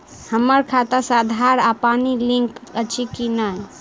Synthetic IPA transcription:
həmːəɾkʰat̪əsad̪ʱaɾapanilĩŋkət͡ʃʰikinəj

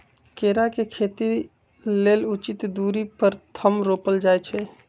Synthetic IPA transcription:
keɾakekʰeːt̪i | leːlut͡ʃɪt̪d̪uːɾipəɾt̪ʰəmɾoːpəld͡ʒajt͡ʃʰɛ

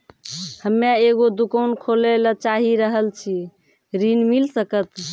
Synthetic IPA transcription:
həmjaeɡod̪ukəwnkʰolelət͡ʃaɦiɾəɦəlt͡ʃʰi | ɾinmilsəkət̪

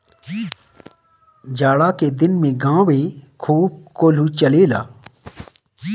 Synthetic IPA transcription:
d͡ʒaːɽaked̪ɪnmẽɡãːwekʰuːb̚koːl̤ut͡ʃɐleːla̰ː

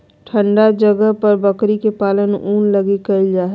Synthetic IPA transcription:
ʈʰə̃ɳɖad͡ʒəɡəɦpəɾbəkɾikepaːlənuːnləɡikəid͡ʒaːɦɛ

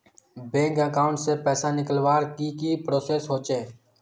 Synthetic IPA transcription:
bẽːŋkəkaːʊ̃ɳʈsepɛːsanɪkəlwaːɾkikipɾoːseːsɦoːt͡ʃeː

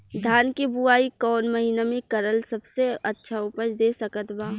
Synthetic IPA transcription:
d̪ʱjaːnkibuaːikɔːnmɐɦiːnamẽkɐɾəlsɐbseɐtːʃʰaʊpəd͡ʒd̪eːsɐkət̪baː

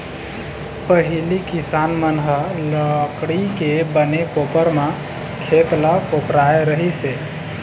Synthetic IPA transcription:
pəɦilikisanmənɦələkɽikebənekopəɾmã | kʰet̪lakopɾaeɾəɦise

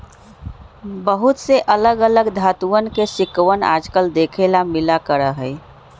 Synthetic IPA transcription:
bəɦut̪seʔələɡələɡd̪ʱat̪uənkesɪkwəna̰d͡ʒkəld̪ekʰelamɪlakəɾəɦə

